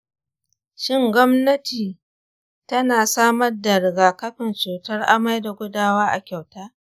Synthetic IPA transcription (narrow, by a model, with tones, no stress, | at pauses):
ʃɪ˦ŋɡʷɔ˦mnɐ˦tiː˨ | tɐ˦naː˨saː˦mɐ˦rda˨ɽɪ˨ɡaː˨kɐ˦ɸɪ˨nt͡ʃuː˨tɐ˦rʔa̰˦ma˦jda˨ɡʷʊ˦daː˦waː˦ʔa˨kʲa˨wtaː˦